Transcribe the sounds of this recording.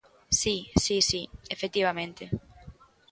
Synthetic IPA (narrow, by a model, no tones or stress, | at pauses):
sisisiefek̚t̪iβamẽnt̪e